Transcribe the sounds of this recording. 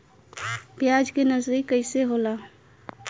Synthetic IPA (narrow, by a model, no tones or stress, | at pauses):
bjad͡ʒkenəzɾikəɪseɦola